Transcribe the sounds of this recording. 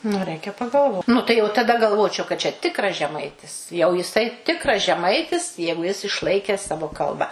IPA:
nʊ ˈrʲɛɪkʲɛ pɐɡɐlˠˈʋoːt ˈnʊ tɐɪ jɛʊ tɐˈdɐ ɡɐlˠˈʋoːt͡ʃʲɛʊ kɐt t͡ʃʲɛ ˈtʲɪkrɐs ʒʲɛˈmɐɪtʲɪs jɛʊ jɪˈsɐɪ ˈtʲɪkrɐs ʒʲɛˈmɐɪtʲɪs ˈjɛɪɡʊ jɪs ɪʃˈlˠɐɪkʲɛs ˈsɑːʋoː ˈkɐlˠbɐ

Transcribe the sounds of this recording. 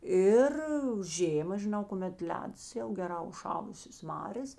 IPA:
ˈɪr ˈʒʲeːmɐ ʒʲɪˈnɐʊ kʊˈmʲɛt ˈlʲæːdɐs jɛʊ ɡʲɛˈrɑː ʊʃˈʃɑːlˠʊsʲeːs ˈmɑːrʲeːs

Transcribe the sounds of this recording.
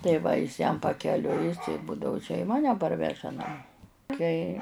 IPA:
tɐɪ ˈʋɐ jɪs jɛm pɐkʲɛˈlʲʊɪ ˈbʊdɐʋʊ t͡ʃʲɛ ɪ ˈmɑːnʲɛ ˈpɐrʲʋʲɛʒɐ nɐˈmoː ˈtɐɪ

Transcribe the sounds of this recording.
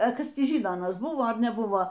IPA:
ɐ ˈkɐs ˈtʲiː ˈʒʲiːnoː ɐˈnɐs bʊʋoː ɐr nʲɛˈbʊʋoː

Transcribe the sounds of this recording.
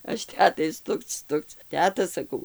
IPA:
ˈɐʃ ˈtʲæːtɐɪ ˈstʊkt͡s ˈstʊkt͡s ˈtʲæːtɐ sɐˈkɐʊ

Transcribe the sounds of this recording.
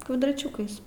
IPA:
kʋɐdrɐˈt͡ʃʲʊkɐɪs

